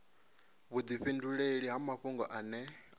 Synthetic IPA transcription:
βud̪iɸinduɺeɺiɦamaɸuŋɡɔʔanɛ

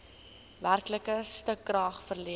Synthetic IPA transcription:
værkləkəstəkːrɑːχfərli

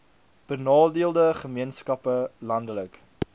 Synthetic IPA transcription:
b̥ənɑːdiəlˠdəχəmiənskɐpəlɐndələk

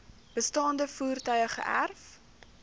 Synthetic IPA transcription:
b̥əstɑːndəfuːrtœɥəχə̰ʔæ̰rf

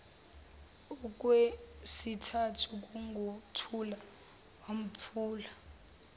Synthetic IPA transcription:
ɔk̬ʼwesitʰatʰuk̬ʼuŋɡʱotʰula | wam̩pʰuːla

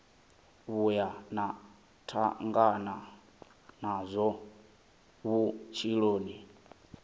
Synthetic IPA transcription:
βujana | tʰaŋɡana | nazʷɔ | βut͡ʃʰiɺoːni

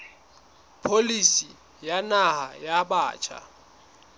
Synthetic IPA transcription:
pʰolisi | janaha̰jaɓaːt͡ʃʰa̰

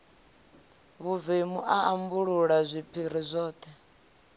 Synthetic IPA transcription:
βuvimuʔaambuɺuɺazʷipʰiɾ̤izʷɔːt̪ʰɛ

